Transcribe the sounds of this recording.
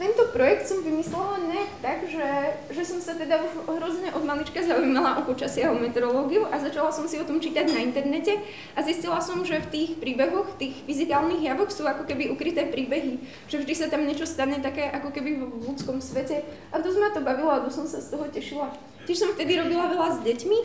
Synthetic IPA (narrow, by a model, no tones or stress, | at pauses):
t̪ɛnt̪ɔpɾɔjɛk̚t̪sɔmvimislɛlaɲɛakt̪aɡʒɛ | ʒɛsɔmsat̪ɛd̪auʒɦɾɔzɲɛʔɔd̪malit͡ʃkazaujmalaʔɔpɔt͡ʃasɪaɦɔmɛt̪ɛɾɔlɔːɡiuʔazat͡ʃalasɔmsiɔt̪ɔmt͡ʃiːt̪aɟnaint̪ɛɾnɛcɛ | ʔaziscilasɔmʒɛft̪iːxpɾiːbɛɦɔxft̪iːɣfizikaːlniːɣjaʋɔxsuːakɔkɛbiukɾit̪ɛːpɾiːbɛɦi | ʒ̥ɛvʒd̪isat̪amɲɛt͡ʃɔst̪aɲɛt̪akɛːʔakɔkɛbivɔlut͡skɔmsʋɛcɛ | ʔad̪ɔzmat̪ɔbaʋilɔad̪ɔsɔmsast̪ɔɦɔcɛʃila | cɛʃsɔmft̪ɛd̪iɾɔbilaʋɛlazɟɛcmi